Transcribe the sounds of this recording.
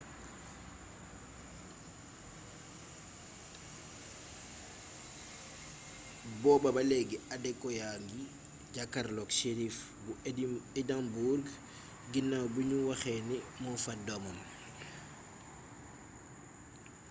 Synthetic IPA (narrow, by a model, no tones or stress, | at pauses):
bɔbabalɛɡiadɛkːɔjaŋɡi | ɟakaɾlɔkʃeɾif | buɛdambuɾɡ | ɡinːabuɲuwaxɛnɛmɔfadomam